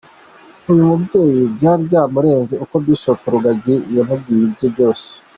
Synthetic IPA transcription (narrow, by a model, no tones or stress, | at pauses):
ujumubɟje̞ːjibɟaːɾjamuɾe̞ːnziuko̞bjiʃokuɾuɡaɟijamub̚ɡijibɟobɟo̞ːse̥